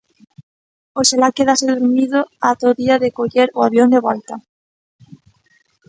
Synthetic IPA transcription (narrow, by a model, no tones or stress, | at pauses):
oʃalakeðaseðuɾmiðoat̪oðiaðekoʎeɾoaβjond̪eβɔlt̪a